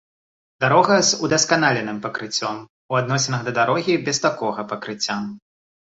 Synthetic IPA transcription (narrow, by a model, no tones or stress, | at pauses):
d̪aɾɔɣɐzud̪ɐskan̪alʲɛnɨmpɐkɾɨt͡sʲːɔm | uad̪̚nɔsʲɛnɐɣd̪ɐd̪aɾɔɣʲibʲɛst̪akɔɣɐpɐkɾɨt͡sʲːam